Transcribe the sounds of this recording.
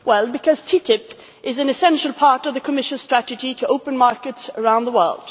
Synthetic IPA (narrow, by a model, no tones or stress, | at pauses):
wɛlˠbɨkʰʌz̥tʰitɪp | ʔɪzɨ̃nɨsɛ̃nʃəl̩ˠpʰɑɹɾʌvðɨkʰəmɪʃɨ̃nstɹ̥æɾɨd͡ʒiɾɨʔoʊpɨ̃nmɑɹkɨtsə˞ãʊ̃nðəwɜ˞lˠd̥